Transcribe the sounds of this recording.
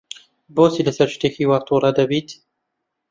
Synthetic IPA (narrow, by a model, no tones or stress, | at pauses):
boːsiləsɐɾt͡ʃt̪eːxiwɑːt̪ˤuːɾˤɑd̪ɐbiːt̪